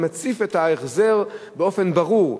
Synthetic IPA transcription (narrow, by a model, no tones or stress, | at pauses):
mat͡sifethaeχzeʁbeo̞fe̞nbaʁuʁ